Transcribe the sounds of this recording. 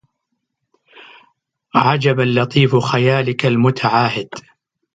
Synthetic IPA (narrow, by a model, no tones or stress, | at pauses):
ʕad͡ʒabalːɑt̪ˤiːfxajaːlɪkalmʊt̪ʰaʕaːhɪd̪̥